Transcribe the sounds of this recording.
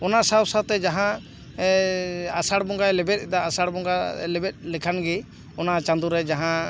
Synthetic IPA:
ɔnasawsat̪ɛd͡ʒaɦã | asaɽbɔŋɡajlɛbɛt̪̚ˀd̪aːsaɽbɔŋɡalɛbɛt̪̚ˀlɛkʰanɡi | ɔnat͡ʃãnd̪uɾɛd͡ʒaɦã

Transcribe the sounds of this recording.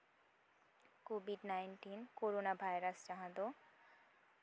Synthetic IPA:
kobʱiɖnajnʈinkoɾonabʱajɾasd͡ʑaɦãd̪o

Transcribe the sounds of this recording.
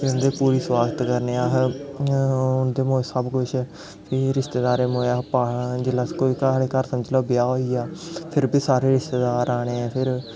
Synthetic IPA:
kːʊnd̪eːpuːɾiːswaːɡət̪kəɾneːaːɦ | ʊnd̪eːmoːsəbkʊt͡ʃʰɛ | pʰɪɾɪst̪eːd̪aːɾeːmoːaːpaːd͡ʒɪlaːkoːiːkəɽeːkəɾsəməd͡ʒloːbɪjaːɦoːiːaːpʰɪɾbʱiːsaːɾeːɾɪst̪eːd̪aːɾaːɽ̃eːɛ̃ːpʰɪɾ

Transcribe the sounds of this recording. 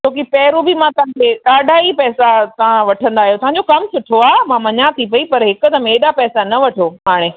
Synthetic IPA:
t̪ʰoːkipɛːɾubɪmãt̪ɐãkʰeːɗaːɗaːipɛːsat̪ɐʋ̤ãʋɐʈʰə̃nd̪aːɦijot̪ɐʋ̤ãɲ̆d͡ʑokɐmsʊʈʰoaːmãmɐɲat̪ʰipɐipɐɾɦɪkʊt̪ɐmeːɗapɛːsanɐʋɐʈʰoːɦaːɽ̃eː

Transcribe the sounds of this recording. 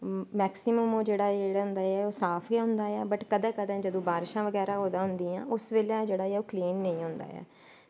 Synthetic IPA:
mɛːksɪməmoːd͡ʒeːɽaːeɽɦʊ̃nd̪aːɛːoːsaːpʰɡeɦʊ̃nd̪aːɛːbəʈkəd̪ɛ̃ːkəd̪ɛ̃ːd͡ʒəd̪õːbaːɾɪʃãːʋəɡɛːɾãːɦoːd̪aːɦʊnd̪iːã̰ːʔʊsʋeːlãd͡ʒeːɽaːɛːoːkliːnːəĩːɦʊ̃nd̪a̰ːjɛ̰ː

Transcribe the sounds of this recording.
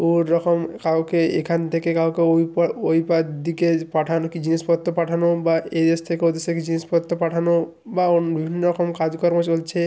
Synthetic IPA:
oɾɔkɔmkawkeekʰant̪ʰekekawkeoojpad̪d̪ikepaʈʰanokid͡ʑinispɔt̪ːopaʈʰanobaed̪est̪ʰekeod̪esʰeked͡ʑinispɔt̪ːopaʈʰano | baobibʱinːɔɾɔkɔmkad͡ʒkɔɾmot͡ʃolt͡ʃʰe

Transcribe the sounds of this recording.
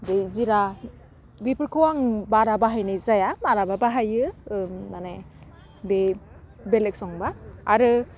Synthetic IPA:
bejziɾa | bipɯɾkʰɯwaŋbaɾabaɦajnɯzajamaɾababaɦajɯmane | bebelek̚sɔŋbaːɾɯ

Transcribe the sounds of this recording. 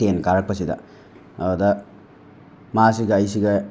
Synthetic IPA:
tenkaɾɐk̚pɐsidɐ̰ | ɐdudɐ | masiɡɐːjsiɡɐ

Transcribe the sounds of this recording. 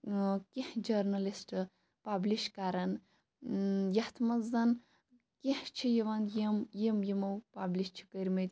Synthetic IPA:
kihd͡ʒɐɾnɐlisʈ | pabliʃkaːɾɐn | jɐht̪ʰmɐzɐn | keht͡ʃʰijɐʋɐnjimjimjimɐwpabliʃt͡ʃʰi̥kɐɾʲmet̪ʲ

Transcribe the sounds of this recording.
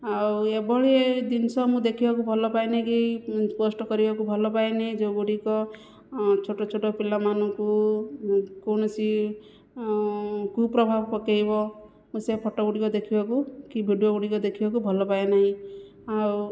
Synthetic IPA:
awebɔɭied̪insɔmũd̪ekʰibakubʱɔlɔpajnaĩkiposʈɔkɔɾibakubʱɔlɔpajnaɦĩd͡ʒoɡuɽikɔ | t͡ʃʰoʈɔt͡ʃʰoʈɔpilamanɔ̃ku | koñɔsi | kupɾɔbʱabpɔkejbɔ | mũsepʰɔʈɔɡuɽikɔd̪ekʰibakukibʱiɖioɡuɽikɔd̪ekʰibakubʱɔlɔpaenaɦĩ | aw

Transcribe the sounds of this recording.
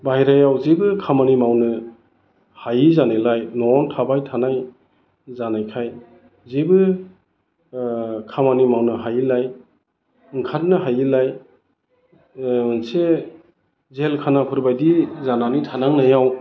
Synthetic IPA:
bajɾajawzibɯkʰamanimawnɯ | hajizanɯlajnɔntʰabajtʰanaj | zanajkʰaj | zibɯ | kʰamanimawnɯɦajilaj | ɯŋkʰat̚nɯɦajilaj | nse | zelkʰanapʰɯɾbajdizananitʰanaŋnajaw

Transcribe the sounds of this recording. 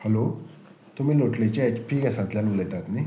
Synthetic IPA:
hɛlo | t̪um̤iːloʈlet͡ɕaɛt͡ɕpʰiːkasãnt̪ljanʋulət̪at̪ni

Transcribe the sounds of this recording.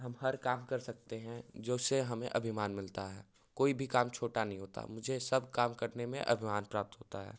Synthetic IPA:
ɦɐmɦɐɾkaːmkɐɾsɐk̚t̪eɦɛ̃d͡ʒoːseɦɐmẽʔɐbʱimaːnmɪlt̪aɦɛ̰ː | koːibʱikaːmt͡ʃʰoːʈanɐɦĩɦoːt̪a̰mʊd͡ʒʱesɐb̚ʱkaːmkɐɾnemẽʔɐ̰bʱimaːnpɾaːp̚t̪ɦoːt̪aɦɛ̰ː

